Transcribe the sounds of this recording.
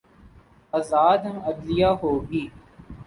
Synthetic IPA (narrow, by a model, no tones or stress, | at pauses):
əːzaːd̪̃ːəd̪lɪjaːɦoːɡiː